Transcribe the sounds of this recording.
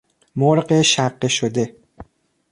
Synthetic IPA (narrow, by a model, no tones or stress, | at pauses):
moɾɢeʃæɢːeʃod̪e̞